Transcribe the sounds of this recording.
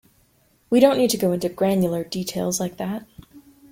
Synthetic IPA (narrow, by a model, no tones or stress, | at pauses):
wiɾõʊ̃nːid̚tɨɡoʊɪ̃ntʉɡɹæ̃njl̩ˠə˞ditʰeɪlˠzlaɪk̚ðæt̚